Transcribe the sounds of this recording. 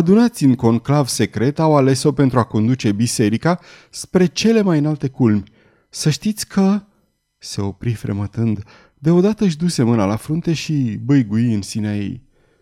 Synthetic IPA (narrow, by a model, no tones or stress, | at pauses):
ad̪unat̪sʲɨŋko̞ŋklavse̞kɾe̞t̪awale̞so̞pe̞nt̪ɾuako̞nd̪ut͡ʃe̞bise̞ɾikaspɾe̞t͡ʃe̞le̞majɨnalt̪e̞kulmʲ | səʃt̪it̪sʲkʰə | se̞o̞pɾifɾḛmət̪ɨnd̪ | d̪e̞o̞d̪at̪əɨʃ̬d̪use̞mɨnalafɾunt̪e̞ʃibəjɡuiɨnsineaje̞̰j